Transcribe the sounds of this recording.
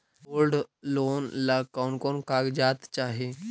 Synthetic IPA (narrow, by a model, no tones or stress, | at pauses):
bolɖlonlakaunkonkaɡd͡ʑat̪t͡ɕaɦe